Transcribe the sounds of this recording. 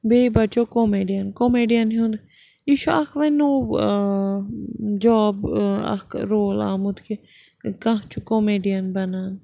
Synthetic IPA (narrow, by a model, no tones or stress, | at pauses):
beːbɐt͡ʃokomeːɖijɐnkomeːɖijɐnɦũnd̪ | iːʃuɐkʰʋɐnuː | d͡ʒɔːbɐ̰kʰɾoːla̰ːmud̪kʰe | kãt͡ʃʰukomeːɖijɐnbɐnaːn